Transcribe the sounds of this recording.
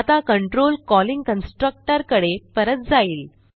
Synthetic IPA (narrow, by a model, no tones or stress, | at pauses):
at̪akəɳʈɾolkɔliŋɡkənsʈɾək̚ʈəɾkəɽepəɾət̪̚d͡zaiːl